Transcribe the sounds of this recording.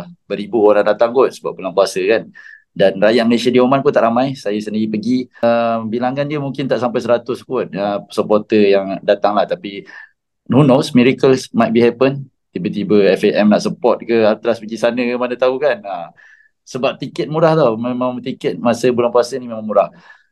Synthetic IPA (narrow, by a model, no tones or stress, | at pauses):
bəɾibuoɾandat̪aŋɡʊt̪̚səbap̚bulaŋkuasəkan | danrajaʔ̚məlesiadiomanpʊnt̪aʔɾamajsajəsəndiɾipəɡimbilaŋandiəmuŋkɪnt̪aʔsampajs̬əɾat̪ʊskʊt̪̚əsəpɔt̪əjaŋdat̪aŋlaht̪api | nunosmiɾikəlsmajt̪̚biɦɛpən | t̪ibət̪ibəɛfeʔɛmnaʔsəpɔt̪̚kəat̪əlaspəɡisanəkəmanət̪aukanə | səbap̚t̪ikət̪̚muɾaht̪amemãmt̪ikət̪̚masəbulaŋpuasənimemãŋmuɾah